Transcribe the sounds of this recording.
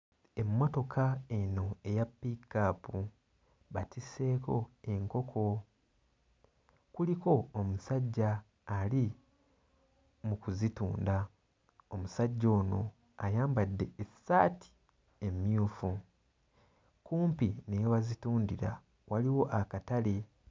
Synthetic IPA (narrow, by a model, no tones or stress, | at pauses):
e̞mːo̞to̞kʰae̞no̞e̞japːikːapu | βatise̞ːko̞e̞ŋko̞kʰo̞ | kuliko̞ːmusaɟːaː | li | mukuzituːnda | omusaɟːo̞ːno̞ | ajaːmbadːe̞esːa̰ːtʰi̥ | e̞mjuːfu | kuːmpinewazituːndiɾa̰ | waliwo̞ʔakatale